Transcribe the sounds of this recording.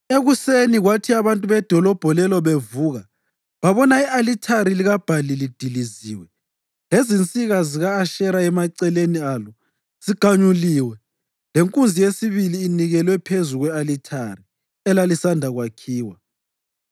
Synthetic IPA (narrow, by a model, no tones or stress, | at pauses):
eɣuseniɣwatʰiaβantʼuβɛd̥ʱɔlɔb̥ʱɔlɛlɔβevuːɣa | βaβɔnaialitʰaɾiliɣab̥ʱalilid̥ʱiliziːwɛ | lezint͡sʼiɣaziɣaːʃɛɾaɛmaǀɛlenialɔ | siɡ̥ʱaɲuliːwɛ | leŋkʼund͡zʱijesiβiliːniɣɛlwɛpʰezuɣwɛalitʰari | ɛlalisandʱaɣwakʰiːwa